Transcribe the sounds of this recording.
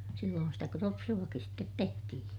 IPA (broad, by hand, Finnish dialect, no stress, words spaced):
silːoːn sitæ kropsuɑkis stet tehtihĩː